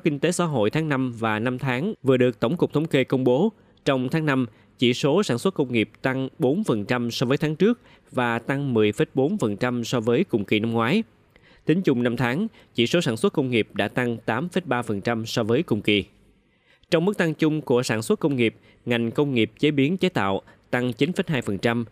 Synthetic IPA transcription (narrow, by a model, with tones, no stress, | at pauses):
kï˧ŋ̟t̪e˨˦sa̰ː˧˥ɦo̰˧˨jt̪ʰaː˨˦ŋna˧mvaː˨˩na˧mt̪ʰaː˨˦ŋvɨ˨˩əɗɨ˨˩ək̚t̪ə˧˩wŋ͡mkʊ˨˩k͡p̚t̪ʰə˨˦wŋ͡mke˧kə˧wŋ͡mɓo˨˦ | t͡ɕɔ˧wŋ͡mt̪ʰaː˨˦ŋna˧m | t͡ɕḭ˧˩so˨˦saː˧˩nswə˦˥t̚kə˧wŋ͡mŋi˨˩əp̚t̪a˧ŋɓo˨˦nfə˨˩nt͡ɕa˧msɔ˧vəː˨˦jt̪ʰaː˨˦ŋt͡ɕɨ˦˥ək̚ | vaː˨˩t̪a˧ŋmɨ˨˩əjfe˨˦˥j̚ɓo˨˦nfə˨˩nt͡ɕa˧msɔ˧vəː˨˦jkʊ̰˨˩ŋ͡mkḭ˨˩na˧mŋwaː˨˦j | t̪ï˨˦ŋ̟t͡ɕʊ˨˩ŋ͡mna˧mt̪ʰaː˨˦ŋ | t͡ɕḭ˧˩so˨˦saː˧˩nswə˦˥t̚kə˧wŋ͡mŋi˨˩əp̚ɗa̰ː˧˥t̪a˧ŋt̪aː˨˦mfə˦˥t̚ɓaː˧fə˨˩nt͡ɕa˧msɔ˧vəː˨˦jkʊ̰˨˩ŋ͡mkḭ˨˩˨ | t͡ɕɔ˧wŋ͡mmɨ˦˥k̚t̪a˧ŋt͡ɕʊ˧ŋ͡mku˧˩əsaː˧˩nswə˦˥t̚kə˧wŋ͡mŋi˨˩əp̚ | ŋa˨˩jŋ̟kə˧wŋ͡mŋi˨˩əp̚t͡ɕe˨˦ɓi˨˦ənt͡ɕa˨˦jt̪a̰ː˧˨w | t̪a˧ŋt͡ɕi˨˦nfə˦˥t̚ɦaː˧jfə˨˩nt͡ɕa˧m